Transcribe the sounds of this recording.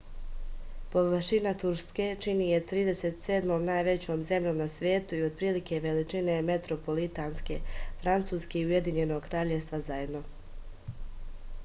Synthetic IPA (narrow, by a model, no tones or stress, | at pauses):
po̞ʋərʃinat̪uɾske̞t͡ʃinije̞t̪ɾiːd̪e̞se̞t̪seːd̪moːmnaːjʋe̞t͡ɕoːmze̞mʎo̞ːmnasʋje̞ːt̪uio̞d̪̚pɾiːlike̞ʋelit͡ʃineme̞t̪ɾo̞po̞lit̪aːnske̞fɾant̪suːskeiuje̞d̪iɲe̞no̞ɡkɾaːʎeʋst̪ʋazaje̞d̪no̞